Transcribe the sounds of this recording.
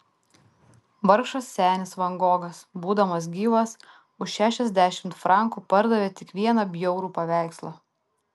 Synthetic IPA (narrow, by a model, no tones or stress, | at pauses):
ʋɐɾkʃɐsːʲæːnʲɪsʋɐŋɡoːɡɐsbuːd̪ɐmɐs̬ɡʲiːʋɐs | ʊʃʃʲæːʃʲɛzʲd̪ʲæʃʲɪmt̪fɾɑˑŋkuːpɐɾd̪ɐʋʲeːt̪ʲɪkʋʲiɛnɐbʲjɛʊɾuːpɐʋʲæˑɪkslˠɐ